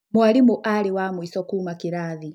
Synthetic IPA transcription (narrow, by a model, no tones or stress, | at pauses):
mwalimuʔaliwamwisɔkumakiɾaːði